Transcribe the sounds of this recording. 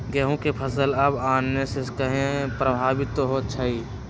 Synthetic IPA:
ɡɛːɦũkepʰɐsəlɐbaːnːesekɐɦẽpɾəbʱaːʋit̪ɦot͡ʃʰəi

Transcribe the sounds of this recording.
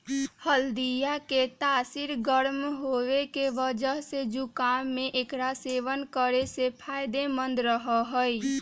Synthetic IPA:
həld̪ijaket̪aːsiɾɡəɾmɦoʋekeʋəd͡ʒəɦsed͡ʒukamːeʔekɾaseʋənkəɾesepʰajd̪emənd̪ɾəɦəɦəj

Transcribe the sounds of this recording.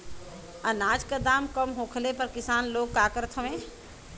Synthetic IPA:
ənaːd͡ʒkəd̪aːmkəmɦoːkʰlepəɾkɪsaːnloːɡkaːkəɾt̪ʰəʋẽː

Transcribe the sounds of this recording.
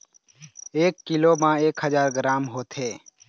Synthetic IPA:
eːkːɪlomãːeːkhəzaːɾɡɾaːmɦoːt̪ɦeː

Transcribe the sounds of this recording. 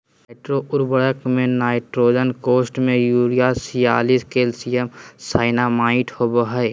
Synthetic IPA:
ɪʈɾoʔʊɾbəɽəkmẽnaːɪʈɾoːd͡ʒənkoːsʈmẽjuːɾijasijaːliskeːlsijəmsaːɪnamaːɪʈhobəɦəɪ

